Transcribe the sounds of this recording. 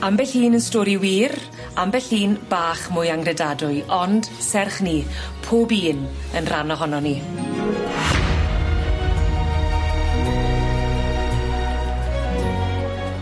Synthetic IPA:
ambɛɬhiːnənstoːɾiwiːɾ | ambɛɬiːnb̥aːχmʊjaŋɡrɛdadʊɨʔɔnd̥sɛrχnipʰoːbiːnənrʔanɔɦɔnɔni

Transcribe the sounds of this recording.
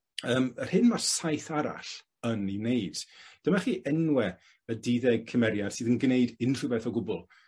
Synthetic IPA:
əːmər̥hɪnmarsajθaɾa̰ɬ | ənineɨd̥d̥əmaχiːʔɛnwɛ | ədiðɛɡ̚kʰəmɛɾjad̥sɨːðənɡneɨdɪnr̥ɨbɛθɔɡʊbʊlˠ

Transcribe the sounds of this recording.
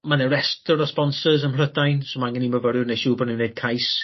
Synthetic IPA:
manɛɾɛstɔɾɔspɔnsəzənlədajnsomanɡɪniməvəɾɪneʃuːbɔnunejd̥̚kʰajs

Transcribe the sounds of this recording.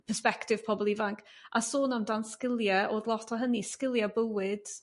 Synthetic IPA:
pʰəspɛktɪv̥pʰɔbɔlˠivaŋkʰʔasoːnamndanskɪlˠjɛʔoːdlˠɔtʰɔɦəniskɪlˠjabəwɪd̥

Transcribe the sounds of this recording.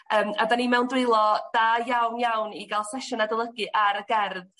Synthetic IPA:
əːmavanimɛwndrɪlˠɔd̥aːjawnjawniɡalˠsɛʃʊnadəlˠəɡɨʔaɾəɡɛrð

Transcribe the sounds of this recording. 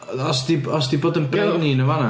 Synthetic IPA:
ɔsd̥iɔsd̥iboːdənbrɛvniːnəvana

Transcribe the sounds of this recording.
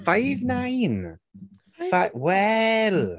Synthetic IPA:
fajvnajn | fawɛl

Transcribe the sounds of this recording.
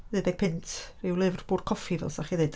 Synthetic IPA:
ðedɛɡ̚pʰɪntʰriwlˠɪvrb̥uːr̥kʰɔfivɛ̰lˠsaχiðed

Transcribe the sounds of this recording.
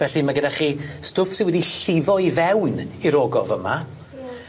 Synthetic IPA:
vɛɬimaɡədaχiːstʊfsɪ̃nwɛdiɬɪvɔivɛwniɾɔːɡɔvəma̰

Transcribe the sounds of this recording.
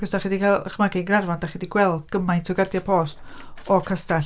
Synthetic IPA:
ɡ̥əsdaχidikʰalˠə̰χmaɡinɡnarvandaχidiɡ̥wɛlˠdɡ̥əmajntʰɔɡadjapʰoːst | ɔkʰasta

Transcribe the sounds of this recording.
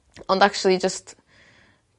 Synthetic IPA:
ə̃ndak̚t͡ʃul̩ˠid͡ʒʌst

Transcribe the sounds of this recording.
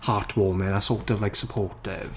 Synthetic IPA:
haːtʰwɔːmɪnasɔːtɔvlajksəpʰɔːtɪ̰v̥

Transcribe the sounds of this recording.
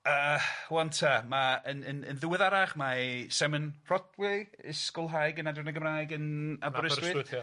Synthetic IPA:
əːwantʰamaənənə̰nðɪwɪðaɾaχmasɛmənr̥ɔdwɪɪskʊlˠɦajɡənadɪnəɡəmrajɡənabrəswɪ

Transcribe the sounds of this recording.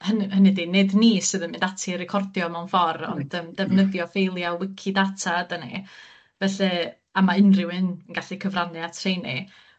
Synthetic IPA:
hənhənɨdinednisɨðənmɨndatʰiɾɪkʰɔrdjɔmawnfɔrɔ̰ndəːmdɛvnəðjɔfejlˠjawɪkʰidatʰadənḭ | vɛɬɛ | amaɪnrɪwɨnəŋɡaɬikʰəvranɨatʰrejni

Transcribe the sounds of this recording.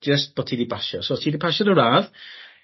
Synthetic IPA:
d͡ʒəst̚b̥ɔtʰidibaʃɔsoɔtʰidipʰaʃɔɾəɹað

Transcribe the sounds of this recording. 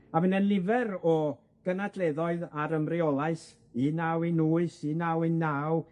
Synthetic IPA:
abɪnɛlɪvɛɾɔ | ɡ̥ənadʰlˠeðɔɨðaɾəmriɔlˠaɨs | inawinuːɨsinawinaw

